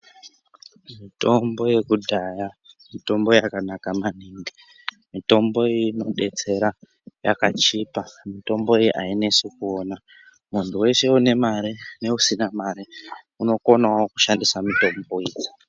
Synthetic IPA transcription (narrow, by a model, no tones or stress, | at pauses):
mito̞mbo̞je̞kudʱaja | mito̞mbo̞jakanakamaniːŋɡi | mito̞mbo̞ino̞ɗet͡se̞ɾa | ja̰kat͡ʃipamito̞mbo̞iiʔainesikuona | muntʰuwe̞ʃe̞une̞maɾine̞usinamaɾi | uno̞ko̞nawoku̥ʃandisamito̞mbo̞iːji